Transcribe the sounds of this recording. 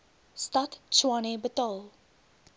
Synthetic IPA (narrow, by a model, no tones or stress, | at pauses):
statt͡ʃwanebətɔlˠ